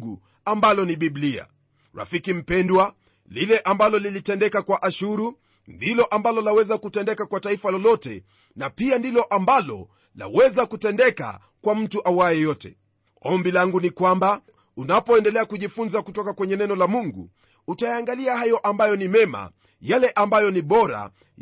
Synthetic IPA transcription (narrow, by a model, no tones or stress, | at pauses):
ɡu | ambalɔniɓiblia̰ | ɾa̰fikim̩pɛndwa | lilɛʔambalɔlilitɛndɛkakwaʔaʃuɾu | ndilɔʔambalɔlawɛzakutɛndɛkakwataifalɔlɔtɛ̰ | napiandilɔʔambalɔ̰ | la̰wɛzakutɛndɛka̰ | kwam̩tuʔawaɛjɔtɛ̰ | ɔmbilaŋɡunikwamba | unapɔɛndɛlɛakuʄifunzakutɔkakwɛɲɛnɛnɔlamuŋɡṵ | utajaːŋɡaliaɦajɔʔambajɔnimɛma̰ | jalɛʔambajɔniɓɔɾa̰